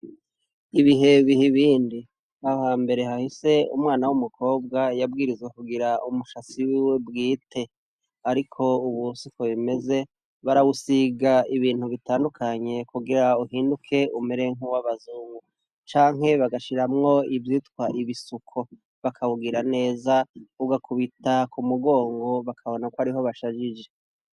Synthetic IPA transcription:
iβiɦe̞βihiβiːndi | hahaːmbe̞ɾe̞hahise̞ṵmŋaːnawumukʰo̞ːb̚ɡajabɡiːɾizwekuɡiɾaumuʃat͡siwiwe̞bɡiːtʰe̞ | aɾikʰo̞uβusukʰoβime̞ze̞ | βaɾawusiɡaiβiːn̥huβitaːndukʰaɲe̞kuɡiɾauhiːndukʰe̞ʔume̞ɾe̞ŋuwaβazuːŋɡu | t͡ʃaːŋɦe̞βaɡaʃiɾamŋo̞ivjitkwaʔiβisukʰo̞ | βakʰaβuɡiɾane̞ːzauɡakʰuβitakʰumuɡo̞ːŋɡo̞βakʰaβo̞nakwaɾiɦo̞βaʃad͡ʒid͡ʒe̞

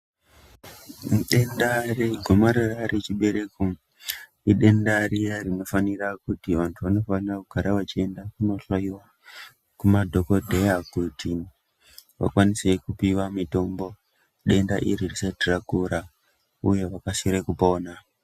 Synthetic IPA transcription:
mɗendaɾeɡʱo̞maɾaraɾet͡ʃiɓe̞ɾe̞ko | iɗe̞ndaɾijarino̞fanirakutiʋantʰuʋano̞fanirakuɡʱaɾaʋat͡ʃie̞ndakuno̞ɬaiwa | kumadʱo̞ko̞dʱe̞jakutʰi | ʋa̰kwanise̞kupiwamito̞mbo̞ | ɗe̞nda̰ʔiɾirisetirakuɾa | uje̞ʋakasiɾekupo̞ːna

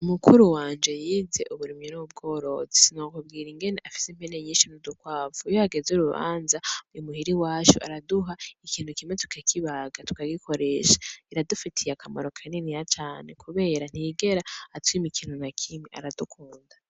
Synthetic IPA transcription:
umukuɾuwaːnd͡ʒe̞jiːze̞ʔuβuɾimenuβub̚ɡo̞ːɾo̞zesinokubɡiːɾiŋɡe̞ne̞ʔafi̥sempeneɲiːnʃinudukwaːfujoaɡezuɾuβa̰ːnzaujumuhiɾiwaːt͡ʃṵʔa̰ɾaduɦaikiːn̥ukimetʰu̥kʰakʰiβaɡatu̥kaɡikʰo̞ɾe̞ʃḁiɾadufitʰijakama̰ɾo̞kʰaninijat͡ʃaːne̞kʰuβe̞ːɾan̥hiɡe̞ɾaːtwimikʰiːnhunakʰimiʔa̰ɾadukʰuːnda

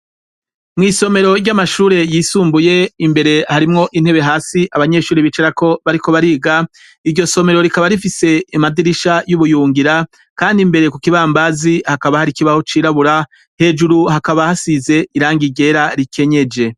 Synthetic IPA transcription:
mŋiːso̞me̞ɾo̞ɾɟamaʃuːɾe̞jiːsuːmbuje̞imbe̞ɾe̞haɾimŋo̞ʔin̥he̞βe̞ɦaːsiʔaβaɲe̞ːʃuːɾiβit͡ʃeɾako̞βaɾiko̞βaɾiːɡa | iɾɟo̞so̞me̞ɾo̞ɾikaβaɾifise̞imadiɾiʃajuβujuːŋɡiɾa | kaːndimbe̞ɾe̞kukiβaːmbazihakaβahaɾikiβaho̞t͡ʃiːɾaβuɾa | he̞d͡ʒuɾuhakaβahasize̞iɾaːŋɡiɟe̞ːɾaɾikʰe̞ɲe̞d͡ʒe̞

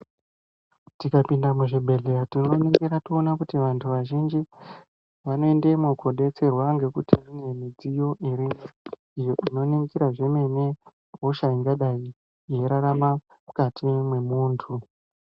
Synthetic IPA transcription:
tikapindamuʐibʱe̞ɮeatinoniŋɡiɾationakutiʋantʰuʋaʒind͡ʒi | ʋano̞ende̞mukʰo̞ɗe̞t͡se̞rwaŋɡe̞kutirinemid͡zijo̞ʔiɾino | ijo̞ʔino̞niŋɡiɾaʐe̞me̞ne̞ | ɦoʃaiŋɡaɗai | je̞ɾaɾama | ukatʰimwe̞muːntʰu

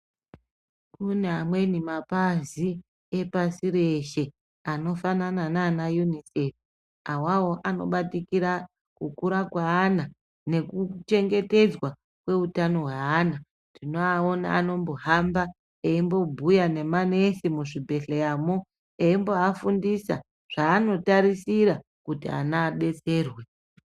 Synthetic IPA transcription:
kuneɦamwe̞nimapazi | epasiɾeʃe | ano̞fananananajunisef | awawo̞ʔano̞̰ɓatikiɾa | kukuɾakwaːna | ne̞kut͡ʃe̞ŋɡe̞te̞d͡zwa | kwe̞utano̞ɦwaana | ndino̞ao̞na̰ːno̞mboɦamba | eimbo̞bʱujane̞mane̞simuʐibʱe̞ɬejamo | eimbo̞afundisa̰ | ʐ̥aːno̞taɾisiɾa | kutia̰naːɓe̞t͡se̞ːrwe̞

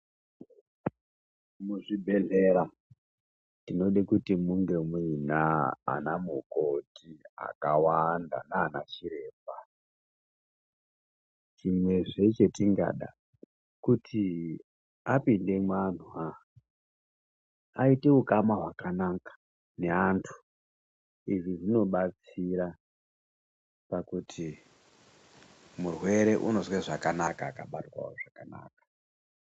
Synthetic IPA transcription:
muʐibʱe̞ɮeɾa | tinoɗekutimuŋɡe̞mwinaa̰namukotia̰kawanda̰naːnat͡ʃiɾe̞ːpa | t͡ʃimwe̞ʐe̞t͡ʃe̞tiŋɡa̰ɗa̰ | kutʰi | apinde̞mwan̤ua | aite̞ukamaɦwakanakḁ | ne̞antʰu̥ | iʐiʐino̞ɓat͡siɾa | pakutʰi | murwe̞ɾe̞ʔuno̞zweʐakanakaːkaɓatwa̰wo̰ʐakana̰ːkḁ

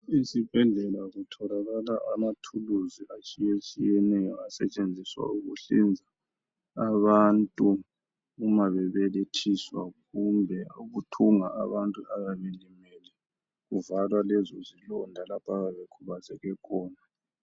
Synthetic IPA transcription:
isib̥ʱɛɮɛlaɣutʰɔlaɣalaʔamatʰuluziat͡ʃʼijet͡ʃʼijɛnɛjɔasɛ̰t͡ʃʼend͡zʱiswa̰uɣṵɬind͡zʱaː | βantʼu | umaβɛβɛletʰiswaɣumbʱɛuɣutʰuŋaʔaβantʼuaɣaβelimɛlɛ | ɣuvalwalɛzɔzilɔndʱalapʰaɣaβekʰuβazɛɣɛkʰɔːna

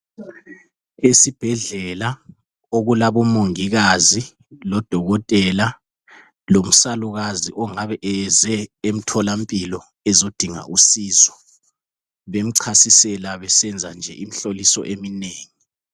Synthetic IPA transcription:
esib̥ʱɛɮɛla | oɣulaβɔmoŋiɣazi | lɔd̥ʱɔɣɔtʼɛla | lom̩saluɣaziʔɔŋaβɛʔɛzɛem̩tʰɔlampʼilɔ | ɛzod̥ʱiŋa̰ʔusiːzɔ | βem̩ǀʰasisɛlaβɛsɛnd͡zʱand͡ʒʱɛ̰ʔim̩ɬolisɔ̰ʔemineːŋi

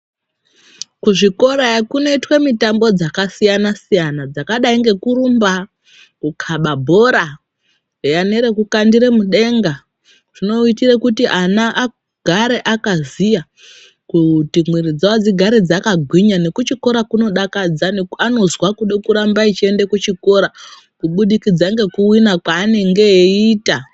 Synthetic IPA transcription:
kuʐiko̞ɾakuno̞itwe̞mitambo̞d͡zakasijanasijanad͡zakaɗaiŋɡe̞kuɾumba | kukʰaɓabʱo̞ɾa | jane̞ɾe̞kukandiɾe̞muɗe̞ŋɡa | ʐ̥ino̞itirekutiʔanaʔː | ɡ̥ʱaɾeʔakazija | kutimwiɾid͡zawad͡ziɡʱaɾed͡zakaɡʱwiɲane̞kut͡ʃiko̞ɾakuno̞ɗakad͡zaneano̞zwakuɗekuɾambait͡ʃie̞ndekut͡ʃiko̞ɾa | kuɓuɗikid͡zaŋɡe̞kuwinakwaːneŋɡeiːta

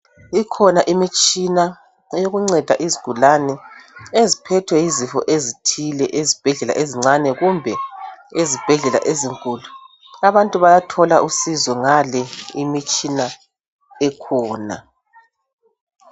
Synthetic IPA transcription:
ikʰɔnaʔimit͡ʃʼina | ɛjoɣuŋ͡ǀɛd̥ʱa̰ʔiziɡ̥ʱulanɛezipʰɛtʰwɛjizifɔ̰ʔezitʰilɛʔezib̥ʱɛɮɛla̰ʔeziŋ͡ǀanɛɣumbʱɛezib̥ʱɛɮɛla̰ʔeziŋkʼuːlu | aβantʼuβajatʰɔlaʔusizɔŋalɛimit͡ʃʼina | ɛkʰɔːna̰

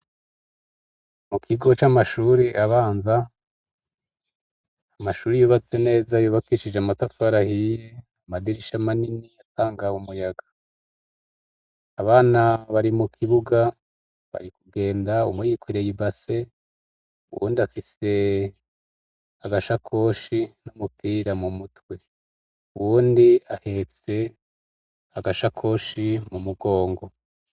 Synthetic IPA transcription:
mukʰiɡo̞t͡ʃamaʃuɾiʔaβaːnza | amaʃuːɾijuβat͡se̞ne̞ːzajuβakiʃid͡ʒeamatafaɾahije | amadiɾiʃamaniniataːŋɡaumujaɡḁ | aβaːnaβaɾimukʰiβuɡa | βa̰ɾikuɡe̞ːndaṵmwejiːkwiɾe̞jibase̞ | ṵwṵːndiafise̞ | aɡaʃakʰo̞ːʃinumupiːɾamumutwe̞ | uwuːndiahe̞t͡se̞ | aɡaʃakʰo̞ːʃimumuɡo̞ːŋɡo̞

